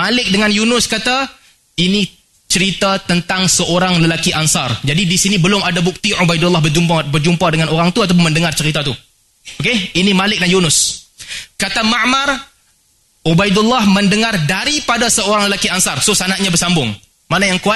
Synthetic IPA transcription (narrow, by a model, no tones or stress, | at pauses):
malɪk̚dəŋanjunʊskat̪a | ini | t͡ʃəɾit̪at̪ənt̪aŋsəoɾaŋləlakiʔansɑrd͡ʒadidisinibəlʊmadabuk̚t̪iʕubajdulːɑhbərd͡ʒumpabərd͡ʒumpadəŋanoɾaŋt̪uat̪̬ap̬ʊnməndəŋart͡ʃəɾit̪at̪u | okeinimalɪk̚danjunʊs | kat̪amaʔmar | ubajdulːahmə̃ndəŋardaɾipadasəoɾaŋləlakiansɑrsosanaʔɲabəsambʊŋ | manajaŋkua